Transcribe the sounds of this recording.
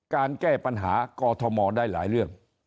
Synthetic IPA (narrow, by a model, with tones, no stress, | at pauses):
kaː˧nkɛː˥˩pa˧nɦaː˩˦kɔː˧t̪ʰɔ˧mɔː˧daː˥˩jla̰ː˩˦jɾɯ˥˩əŋ